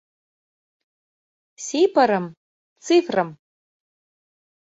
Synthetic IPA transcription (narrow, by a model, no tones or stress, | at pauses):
sejpʰaɾɨm | t͡sʰifrɨm